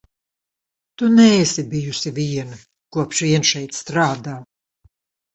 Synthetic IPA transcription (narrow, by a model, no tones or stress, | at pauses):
t̪unɛːsibijusiviɛnɨ | kuɔpʃviɛnʃɛjt̪st̪ɾaːd̪aː